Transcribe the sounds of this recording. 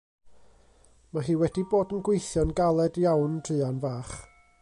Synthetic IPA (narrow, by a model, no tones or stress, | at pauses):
maɦiːwɛdiboːdənɡwejθjɔnɡalˠɛdjawnd̥rɨːanvaːχ